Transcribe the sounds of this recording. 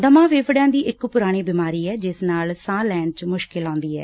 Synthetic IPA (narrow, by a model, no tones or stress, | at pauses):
d̪əmãːʋeːpɽjãːd̪iːʔɪkpʊɾaːɽ̃iːbɪmaːɾiːɛːd͡ʒɪsnaːlsãːlɛːɳt͡ʃmʊʃkɪlãːnd̪iːɛ̰ː